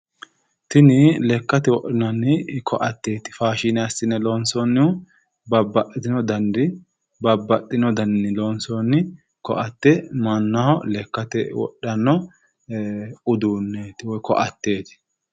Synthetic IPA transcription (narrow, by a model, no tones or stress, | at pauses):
t̪ɪnɪlɛkːɐt̪ɛwɔʔɪnɐnɪkʰɔʔɐt̪ːeːt̪ɪ̥faːʃɪnɛɐsɪnɛlɔːnsɔnːɪʊ | bɐbːɐʔːɪt̪ɪnɔd̪ɐnd̪ɪ | bɐbːɐʔɪnɔd̪ɐnːɪlɔːnsɔnːɪ | kɔ̰ʔɐt̪ːɛmɐnːɐhɔlɛkːɐt̪ɛ̰wɔ̰ɗːɐnːɔ | ʊd̪uːnːeːt̪ɪwɔjkɔ̰ʔɐt̪ːe̞ːt̪ɪ̥